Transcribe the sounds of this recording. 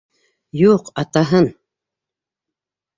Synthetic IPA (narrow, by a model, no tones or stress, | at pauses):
juːqat̪aɦən